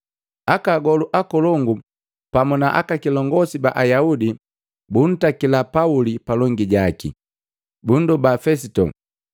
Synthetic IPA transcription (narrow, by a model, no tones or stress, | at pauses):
akaːɡɔluʔakɔlɔŋɡu | pamunaʔa̰kakilɔŋɡɔsiba̰ʔajaudi | bun̩takilapaulipalɔŋɡiɟakḭ | bundubafɛs̬itɔ̰